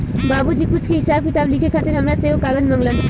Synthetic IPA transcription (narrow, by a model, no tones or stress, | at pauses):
babud͡ʒikpuskʰiɦisab̚kit̪ablikʰekʰat̪iɾɦʌmɾasekaɡʌd͡zmʌŋlʌn